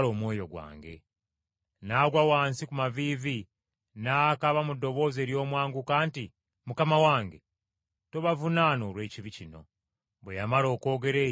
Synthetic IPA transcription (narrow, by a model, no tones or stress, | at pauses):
lo̞ːmwo̞ːjo̞ɡwa̰ːŋɡe̞̰ | naːɡwawaːnsikumaviːvi | naːkaβamudːo̞βo̞ːze̞ːɾjo̞ːmwaːŋɡukaːnti | mukamawaːŋɡe̞ | toβavunaːnoːɾwe̞ːciβicino̞̰ | βwejamalo̞ːko̞ːɡe̞ɾeː